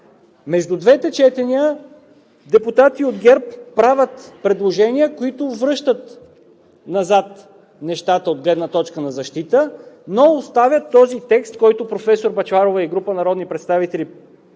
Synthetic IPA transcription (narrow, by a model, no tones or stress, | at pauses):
mɛʒd̪ud̪vɛt̪ɛt͡ʃɛt̪ɛniə | d̪ɛpʊt̪at̪iod̪ɡʲɛɾppɾavʲət̪pɾɛd̪lˠoʒɛniəkoit̪ʊvɾɤʃt̪ət̪ | nɐzat̪ | nɛʃt̪at̪əod̪̚ɡlɛd̪nət̪ɔt͡ʃkənɐzɐʃt̪it̪ənoost̪avʲjət̪ːɔzit̪ɛkst̪kɔjt̪ʊpɾofɛsoɾbɐt͡ʃvaɾovəiɡɾupənɐɾɔd̪nipɾɛt̪st̪avit̪ɛli